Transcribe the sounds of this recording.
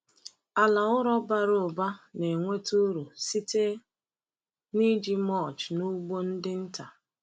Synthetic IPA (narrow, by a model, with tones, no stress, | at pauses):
a˨la˨ʊ˦ɾɔ˦ba˦ɾo˨ba˦ne˨ŋʷe˦tu˦ɾu˨si˦te˦ | ni˦d͡ʒi˦mɔ˦˨t͡ʃnu˦ɡ͡bo˦n̩˦dɪ˦n̩˦ta˨